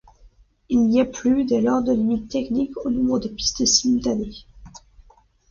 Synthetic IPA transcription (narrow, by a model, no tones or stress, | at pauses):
ilniaplyd̪elœʁd̪əlimit̪ːɛknikonɔ̃bʁəd̪əpi̥st̪əsimylt̪ane